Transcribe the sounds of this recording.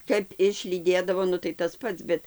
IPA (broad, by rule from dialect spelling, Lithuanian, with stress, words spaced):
ˈkɐp ɪʃʲlʲiːˈdʲeːdɐʋoː ˈnʊ tɐɪ tɐs ˈpɐts ˈbʲɛt